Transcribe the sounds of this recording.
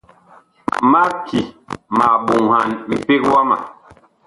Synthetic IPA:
ma˦kʰi˨ma˨ɓu˨ŋha˨nm̩˨pi˦kwa˦ma̰˨

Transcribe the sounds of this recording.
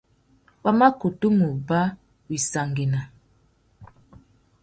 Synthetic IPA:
wa˦ma˦ku˨tu˦mu˨ba˦ | wi˨sa˨ŋɡi˨na˨

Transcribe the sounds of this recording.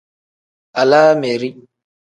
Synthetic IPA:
a˨la˦me˨ɾi˦

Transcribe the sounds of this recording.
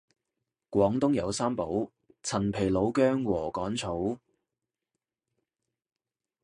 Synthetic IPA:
kʷɔː˨˧˥ŋt̪ʊ˥ŋjɐ˨˧wsaː˥mpo˨˥w | t͡sʰɐ˨˩npʰe˨˩jlo˨˧wkœː˥ŋwɔː˨˩kɔː˨˥ŋt͡sʰo˨˥w

